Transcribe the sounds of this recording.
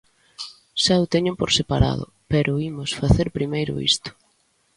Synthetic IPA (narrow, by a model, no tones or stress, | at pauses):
ʃaʊt̪eɲʊpoɾsepaɾa̰ðʊ̰pɛɾʔʊimʊsfaθeɾpɾimejɾʊ̰ḭst̪ʊ̥